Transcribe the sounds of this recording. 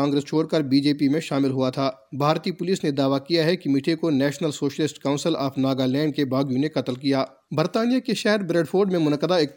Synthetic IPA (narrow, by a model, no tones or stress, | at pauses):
ãːŋɡɾəst͡ʃʰoːɽkɐɾbiːd͡ʒeːpimẽʃaːmɪlɦʊat̪ʰaː | bʱaːɾt̪ipʊlisned̪aːʋakijaɦɛkimiʈʰekonɛːʃnəlsoːʃəlɪsʈkaʊ̃nsɪla̰ːfʰnaːɡalɛ̃ːɳɖ̚kebaːɡijũnekɐt̪əlkijaː | bɐɾt̪aːnijakeʃɛɦɛɾbɾeːɖfʰoːɾɖmẽmʊnəqːəd̪aɪk̪̚